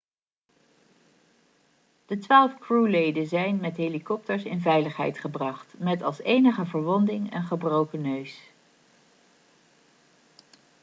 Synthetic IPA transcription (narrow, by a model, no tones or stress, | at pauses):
d̥ətʋaːlˠfkɹulejdənzɛjnmɛtɦelikɔp̚təɹsɪ̰nvɛjləχɦɛ̰jtχəbrɑχtmɛtɑlˠsejnəχəvəɹʋɔndɪŋə̰nχəbrowkənøɥs